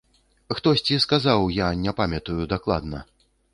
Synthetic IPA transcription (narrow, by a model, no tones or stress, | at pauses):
xt̪ɔsʲt͡sʲiskazawjanʲɛpamʲɐt̪ujud̪aklˠa̰d̪nɐ̰